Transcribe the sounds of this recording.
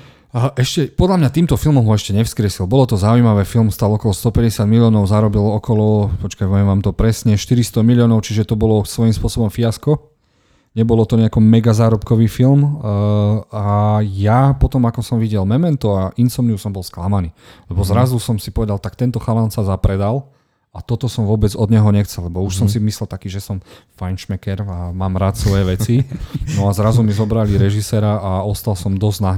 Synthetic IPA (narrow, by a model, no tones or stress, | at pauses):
ʔɛʃcɛpɔd̪ʎamɲat̪iːmt̪ɔfilmɔmɦɔɛʃcɛɲɛfskɾɪɛsilbɔlɔt̪ɔzaujmaʋɛfilmst̪alɔkɔlɔst̪ɔpɛɟɛsɪad̪miliɔːnɔʊzaɾɔbilɔkɔlɔpɔt͡ʃkaʋɛɛʋaːmt̪ɔpɾɛsɲɛʃt̪iɾist̪ɔmiliɔːnɔʊt͡ʃiʒɛt̪ɔbɔlɔsʋɔjimspʊɔsɔbɔmfiaskɔ | ɲɛbɔlɔt̪ɔɲɛakɔmɛɡazaːɾɔpkɔʋiːfilm | ajapɔt̪ɔmakɔsɔmʋiɟɛlmɛmɛnt̪ɔaʔinsɔmɲusɔmbɔlsklamaniːlɛbɔzɾazusɔmsipɔʋɛd̪alt̪ak̚t̪ɛnt̪ɔxaʋansazapɾɛd̪al | at̪ɔt̪ɔsɔmʋʊɔbɛd͡zɔd̪ɲɛɦɔɲɛxt͡sɛlɛbɔuʃsɔms̬imislɛlt̪akiːʒɛsɔmfanʃmɛkɛɾamaːmɾaːt̪sʋɔjɛʋɛt͡sinɔazɾazumizɔbɾaliɾɛʒisɛɾaaɔst̪alsɔmd̪ɔznaɦ